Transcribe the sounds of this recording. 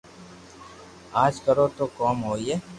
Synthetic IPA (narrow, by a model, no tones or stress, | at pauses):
aːd͡ʒkəɾot̪okɔːmɦoːieː